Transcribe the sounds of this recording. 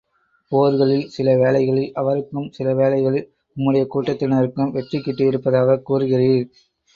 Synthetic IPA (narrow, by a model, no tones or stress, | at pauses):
poːɾɯɣɐɭɪlsɪlɐʋeːlɐɪɣɐɭɪlɐʋɐɾɯkːɯmsɪlɐʋeːlɐɪɣɐɭɪl | ʊmːɯɽɐjɐkuːʈːɐt̪ːɪnɐɾɯkːɯmʋɛʈrɪkːɪʈːɯɪɾɯpːɐðaːɣɐkuːrɯɣɪriːɾ